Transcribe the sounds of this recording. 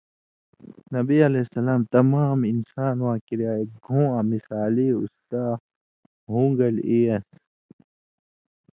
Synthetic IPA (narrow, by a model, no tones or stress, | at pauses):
nɐbiɐleːsɐlaːmt̪ɐmaːminsaːnwãːkiɾiaːjɐt̪̚ɡʱõːãːmisaːliːṵst̪aː | ɦũːŋɡɐleːɐs